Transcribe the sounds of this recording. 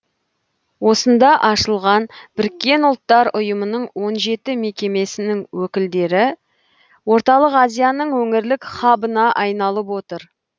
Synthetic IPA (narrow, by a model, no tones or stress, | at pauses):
wo̞sənd̪ɑʔɑʃəlˠʁɑnb̥ɪɾɪkʲːe̞nʊlˠt̪ːɑɾʊjəmənəɴwo̞nʒe̞t̪ɪme̞kʲe̞me̞sɪnɪŋwɵkʲɪld̪e̞ɾɪ | wo̞ɾt̪ɑlˠəqɑzijɑnəɴwɵŋɪɾlɪkχɑbənɑʔɑjnɑlˠəpwo̞t̪əɾ